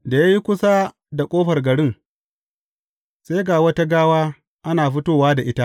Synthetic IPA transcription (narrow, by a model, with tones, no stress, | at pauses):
da˨ja˦ji˦kʷʊ˦sa˦ | da˨kʷʼoː˦ɸɐ˨rɡɐ˨ɽɪ˦ŋ | se˦ɡaː˨wɐ˦ta˦ɡaː˦waː˦ | ʔa˦naː˨ɸɪ˦toː˦waː˦da˨ʔɪ˦ta˦ʔ